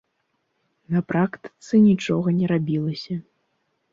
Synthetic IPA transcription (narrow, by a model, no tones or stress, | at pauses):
nɐpɾakt̪ɨ̥t̪sɨnʲit͡ʂɔɣɐnʲɛɾabʲilˠɐsʲɐ